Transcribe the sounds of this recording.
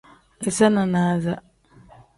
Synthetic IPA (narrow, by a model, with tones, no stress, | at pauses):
ki˨sa˦na˨na˨˦za˦˨